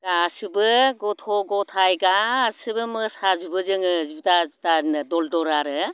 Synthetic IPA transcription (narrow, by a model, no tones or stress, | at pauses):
ɡasɯbɯɡɔtʰɔɡɔtʰajɡasɯbɯmɯsazubɯzɯŋɯzubtautanɯdɔldɔɾaɾɯ